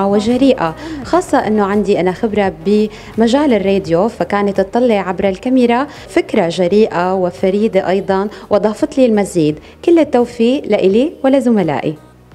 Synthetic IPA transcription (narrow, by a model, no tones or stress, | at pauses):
wɪʒaɾiːʔaxɑːsˤːɑʔɪnːoʕand̪iʔanaxɪbɾabɪ | maʒaːlɪrːeːd̪jofakaːnat̪ːɨt̪ˤːɑlːɪʕʕabɾalkamɪɾa | fɪkɾaʒaɾiːʔawɪfaɾiːd̪aʔɑjd̪ˤɑnwʔɑd̪ˤɑːfɨt̪ˤlilmaziːd̪ | kɪlːɪt̪ːawfiːʔlaʔɪliwalːazʊmala̰ːʔi